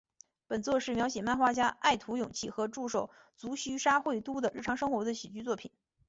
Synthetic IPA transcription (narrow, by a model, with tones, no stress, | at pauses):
pə˨˩nt͡swɔ˥˧ʂɻ̩˥˩mjɑ˧˥ʊɕ̬jɛ˨˩ma˥˧nxwa˥t͡ɕja˥a˥˩ɪt̪ʰu˧˥jʊ˨˩ŋt͡ɕʰi˥˩xɤ˧˥ʈ͡ʂu˥˩ʂo˨˩ʊ | t͡su˧˥ɕy˥ʂa˥xwe˥˩ɪt̪u˥d̪ə˨ɻ̩˥˩ʈ͡ʂʰɑ˧˥ŋʂɤ˥ŋxwɔ˧˥d̪ə˧ɕi˨˩t͡ɕy˥t͡swɔ˥˩pʰi˨˩˦n